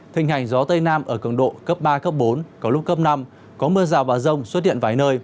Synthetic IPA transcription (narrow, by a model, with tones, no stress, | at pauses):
t̪ʰï˨˩ŋ̟ɦa˨˩jŋ̟zɔ˨˦t̪ə˧jnaː˧mʔəː˧˩kɨ˧˩əŋɗo̰˧˨kə˦˥p̚ɓaː˧kə˦˥p̚ɓo˨˦nkɔ˨˦lʊ˦˥k͡p̚kːə˦˥p̚na˧m | kɔ˨˦mɨ˧əzaː˨˩wvaː˨˩zə˧wŋ͡mswə˦˥t̚hḭ˧˨ənvaː˧˩jnəː˧j